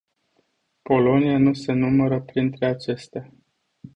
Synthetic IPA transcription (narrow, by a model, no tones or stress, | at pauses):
po̞lo̞nianuse̞numəɾəpɾint̪ɾe̞at͡ʃe̞st̪ea